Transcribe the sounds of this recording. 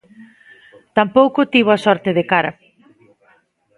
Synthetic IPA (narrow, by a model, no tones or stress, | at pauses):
t̪ampowkʊt̪iβoasɔɾt̪eðekaɾɐ